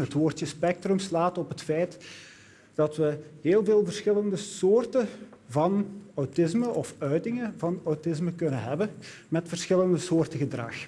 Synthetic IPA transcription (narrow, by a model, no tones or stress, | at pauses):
ɦətʋoːrtəspɛk̚trəmslaːtɔpɦətfɛjt | d̥ɑtʋəɦeːlˠveːlˠvərsxɪləndəsoːrtə | vɑnawtɪzməʔɔfœɥtɪŋəvɑnawtɪsməkɵnənɦɛbə | mɛtfərsxɪləndəsoːrtəɣədrɑ̰x